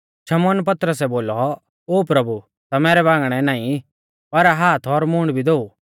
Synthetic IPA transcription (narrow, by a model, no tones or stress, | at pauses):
ʃɐmɔːnp̬ɐt̪ɾəsɛboːlɔ | oːpɾɐbu | t̪amɛːɾɛβãːŋɡɽ̃ɛnaːĩ | pɐɾaɦaːt̪ʰɔɾmʊ̃ɳɖbʱid̪oːu